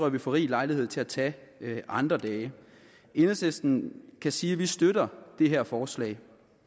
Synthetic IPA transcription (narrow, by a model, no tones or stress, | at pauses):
ʁœʋifɒʁḭːlɑ̈ɪlihe̝ð̞̰ˠt͡sʰe̝læt͡sʰɛʔɑ̈nd̥ʁɐd̥ɛː | e̝nsesd̥n̩kʰæsiːʋisd̥øɾɐd̥e̝ɦæɐ̰fɒːslɛ̰ːɪ